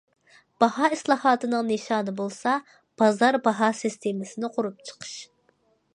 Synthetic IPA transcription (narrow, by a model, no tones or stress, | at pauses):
b̥ɑhɑːislˠɑːhɑːt̪ɨnɨŋneʃɑːnɨbolˠsɑ | b̥ɑzɑɾbɑɦɑsɨst̪ʰemɪsɪnɪqʰoɾup̚t͡ʃʰə̥qʰə̥ʃ